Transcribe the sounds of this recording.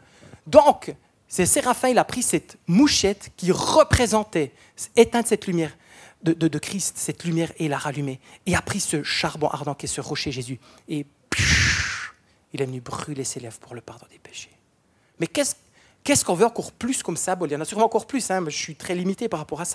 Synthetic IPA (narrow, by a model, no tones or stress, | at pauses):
d̪ɔ̃k | sɛseʁafɛ̃ilapχisɛt̪muʃɛt̪kʲiʁəpχezɑ̃t̪ɛ | et̪ɛ̃d̪əsɛt̪lymjɛːʁ | d̪əd̪əd̪əkχist̪sɛt̪lymjɛːʁeilaʁalymeeapχisəʃaʁbɔ̃ʔa̰ʁd̪ɑ̃kɛsəʁɔʃeʒezye | p | ilɛvənybʁyleselɛvpuʁləpaʁd̪ɔ̃d̪epe̥ʃe̥ | mɛkɛs | kɛskɔ̃vøɑ̃kɔʁplyskɔməsɛ̃bɔlej̃nasyʁmɑ̃ɑ̃kɔʁplysɛ̃mɔʒəsɥit̪χɛlimit̪epaʁːapɔʁasḁ